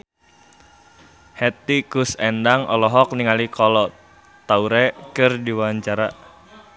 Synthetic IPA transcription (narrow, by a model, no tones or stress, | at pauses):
hɛt̪ikusɛndaŋʔɔ̰lɔɦɔk̚niŋalikɔlɔ | t̪auɾɛkɨrdiwaɲt͡ʃaɾa